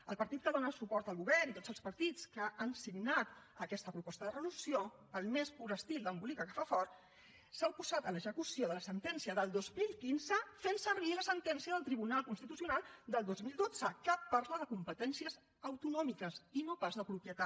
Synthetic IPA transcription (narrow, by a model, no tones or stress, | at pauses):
əlˠpəɾt̪it̪̚kəðonəsupɔɾt̪əlˠɣuβɛɾnit̪odd͡zz̥əlˠspəɾt̪it͡skəʔansiɡnat̪əkɛst̪əpɾupɔst̪əðərəlusio | əlˠmespuɾəst̪ilˠd̪əmbulikəkəfafɔɾt̪ | sawpuz̥at̪ələʒəkusioðələsənt̪ɛnsiəðəlˠd̪ozmilˠkinzəfensəɾβiləsənt̪ɛnsiəðəlˠt̪ɾiβunalˠkunst̪it̪usiunalˠd̪əlˠd̪ozmilˠd̪od͡zəkəpːaɾzləðəkumpət̪ɛnsiəz | əwt̪unɔmikəsinopazðəpɾupjət̪a